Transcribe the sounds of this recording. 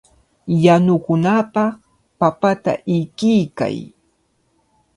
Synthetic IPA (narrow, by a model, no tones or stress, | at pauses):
janʊkʊnapɑ | papat̪a̰ʔɪkɪjka̰j